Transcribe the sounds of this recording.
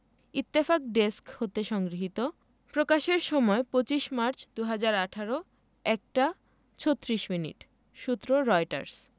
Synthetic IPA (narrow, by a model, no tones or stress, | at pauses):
it̪ːefak̚ɖeskhot̪eʃɔŋɡɾiɦit̪o | pɾokaʃeɾʃɔmɔepot͡ɕiʃmaɾt͡ɕʰd̪uɦad͡ʑaɾaʈʰaɾo | ɛk̚ʈa | t͡ɕʰot̪ːɾiʃminḭʈ | ʃut̪ːɾoɾɔjʈa̰ɾs